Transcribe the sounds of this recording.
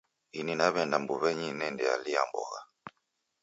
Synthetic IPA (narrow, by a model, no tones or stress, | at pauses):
ininaβɛndambuβɛɲinɛndɛa̰lia̰mbɔ̰ɣa